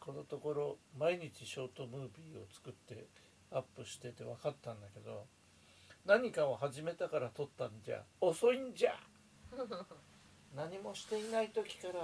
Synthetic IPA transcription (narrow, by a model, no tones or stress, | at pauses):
ko̞no̞t̪o̞ko̞ɾo̞maiɲ̟it͡ɕiɕo̞ːt̪o̞mɯ̟ːbʲiːo̞̰t͡sɨ̥kɯ̟t̪ːe̞ | apːɯ̟ɕi̥t̪e̞t̪e̞βakat̪ːãnd̪ake̞d̪o̞ | naɲ̟ikaahaʑime̞t̪akaɾat̪o̞t̪ːand͡ʑa̰oso̞ĩɲd͡ʑa̰ | naɲ̟imo̞ɕi̥t̪e̞inait̪o̞kʲi̥kaɾa